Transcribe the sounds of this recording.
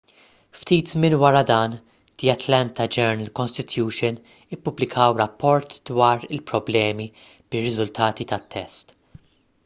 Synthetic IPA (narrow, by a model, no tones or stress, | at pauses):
ft̪iːt̪zmɪnwɐɾɐd̪ɐːn | d̪̥iɐt̪lɐnt̪ɐd͡ʒɛɾnɐlkɔnst̪ɪt̪juːʃɔn | ɪpːʊblɪkʰɐwɾɐpːɔɾt̪d̪wɐːɾɪlpɾɔblɛːmi | b̥ɪrːɪzʊlt̪ʰɐːt̪it̪ɐt̪ʰːɛst̪